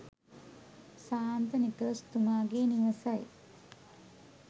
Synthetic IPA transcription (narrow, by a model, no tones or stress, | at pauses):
saːnt̪ənikəɾəst̪umaːɡeːniʋəsɐj